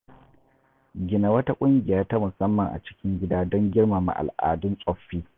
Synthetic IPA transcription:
ɡʲɪ˨na˨wɐ˦ta˦kʷʼʊ˦ŋɡʲɪ˨jaː˦ta˦mʊ˨sɐ˦mːɐ˨ŋʔa̰˨t͡ʃɪ̥˦kʲɪ˦ŋɡʲɪ˦daː˦dɔ˦ŋɡʲɪ˦rma˨ma̰˨ʔa̰˨lʔa̰ː˨dʊ˦nsʼɔ˦ɸːiː˦

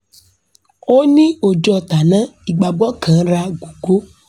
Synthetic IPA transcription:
o˦nĩ˦o˨d͡ʒɔ˧˨ta˨nã˦i˨ɡ͡ba˨ɡ͡bɔ˦kʰã˨˦ɾa˧ɡu˨ɡo˦

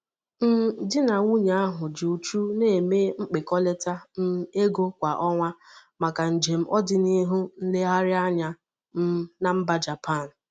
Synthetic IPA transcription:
n̩˦dɪ˦na˨ŋʷu˦ɲa˨˦a˦ɦʊ˨d͡ʒu˨u˨t͡ʃu˦ne˦˨e˨me˦ŋ͡m̩˦k͡pe˨kɔ˦le˦ta˦n̩˦e˦ɡo˦kʷa˨ʔɔ˦ŋʷa˦ma˨ka˨n̩˨d͡ʒe˨m̩˦ʔɔ˦dɪ˨ni˦ɦʊ˦n̩˦le˦ɦa˦ɾɪ˦a˦ɲa˦ | m̩˦na˨m̩˦ba˦d͡ʒa˨pʰa˦˨n̩˨

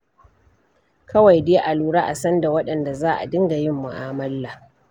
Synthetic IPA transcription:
kɐ˦wa˨jdeː˦ʔa˨luː˨ɽaː˦ʔa̰˨sɐ˦nda˨wɐ˦ɗɐ˨nda˨zaː˦ʔa̰˨dɪ˦ŋɡa˨jɪ˦mːʊ˨ʔaː˦mɐ˦lːa˨

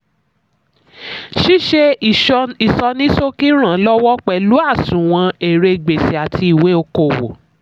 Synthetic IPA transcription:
ʃi˦ʃe˧ | i˨sɔ˧nĩ˦so˦ki˦ɾ̃ã˨˦lɔ˦wɔ˦k͡pɛ˨lu˨˦a˦˨sũ˨w̃ã˧e˨ɾe˧ɡ͡be˨si˨a˨tʰi˧i˨we˨˦o˧ko˦˨wo̰˨

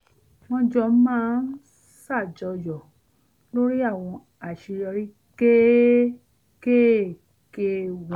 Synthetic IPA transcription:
w̃ɔ̃˧d͡ʒɔ˧˦mãː˦n̩˦ | sa˦˨d͡ʒɔ˧jɔ˨ | lo˦ɾi˦a˦˨w̃ɔ̃˧ | a˨ʃi˧ɾɔ˧ɾi˦ | ke˦ | ke˦˨ | ke˧w

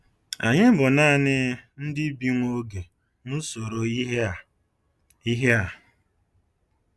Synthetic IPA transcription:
a˨ɲɪ˦bʊ˨na˦˨nɪ˦n̩˦dɪ˦bi˦ŋʷo˦ɡe˨ | ŋʊ˦so˨ɾo˨˦ɦ | i˦ɦe˦a˨

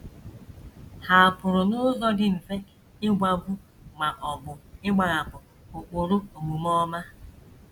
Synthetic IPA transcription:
ha˨a˨pʊ˨ɾʊ˨nʊ˦zɔ˦dɪ˦m̩˨fe˦ | ɪ˦ɡʷa˨bu˦ | ma˨ʔɔ˨bʊ˨ɪ˦ɡ͡ba˨ɣa˨kʊ˨ | ʊ˨k͡pʊ˨ɾʊ˦o˨mu˨mɔ˦ma˦

